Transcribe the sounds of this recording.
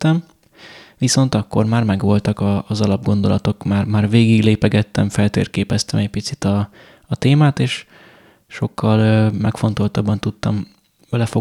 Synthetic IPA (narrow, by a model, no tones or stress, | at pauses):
t̪ːɛm | ʋiso̞nt̪ɒkːo̞̰rmaːrmɛɡʋo̞lt̪ɒkɒːzɒlɒb̚ɡo̞nd̪o̞lɒt̪o̞kmaːrmaːrveːɡiɡleːpɛɡɛt̪ːɛɱfɛlt̪ḛːrkeːpɛst̪ɛmɛc̚pit̪sit̪ɒː | t̪eːmaːt̪eːʃ | ʃo̞kʰːɒløːmɛkfo̞nt̪o̞lt̪ɒbːɒnt̪ut̪ːɒm | vɛlɛfo